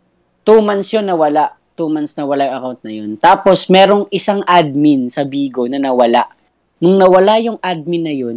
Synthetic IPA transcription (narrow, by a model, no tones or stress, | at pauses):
t̪umansjonːɐwɐlaʔ | t̪umansnɐwɐlajʊŋʔɐkawnt̪̚nɐjo̞nt̪aːpo̞smɛːɾo̞ŋʔɪsaŋʔad̪̚mɪnsɐbiːɡo̞nɐnɐwɐlaʔ | nʊŋnɐwɐlajʊŋʔad̪̚mɪnːɐjo̞n